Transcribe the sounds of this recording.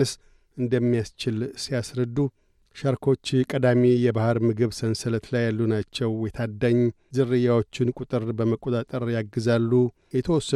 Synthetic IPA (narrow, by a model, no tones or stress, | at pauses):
ɨs | ʔɨnd̪əmːijast͡ʃɪlsijasɾəd̪ːu | ʃaɾkʰo̞t͡ʃːkʼəd̪amijɛbahɨɾmɨɡɨβsənsələt̪lajːalːunat͡ʃːɛwjɛt̪ʰad̪ːaɲː | zɨrːɨjːawo̞t͡ʃːɪnkʼʊt̪ʼɨɾbəməkʼːot̪ʼat̪ʼəɾjaɡːɨzalːu | jɛt̪ʰəwɔsːə